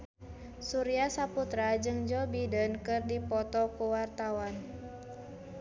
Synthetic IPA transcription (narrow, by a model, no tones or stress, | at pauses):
suɾiasaput̪ɾad͡ʒɨŋd͡ʒɔbidənkɨrdipɔt̪ɔkuwart̪awan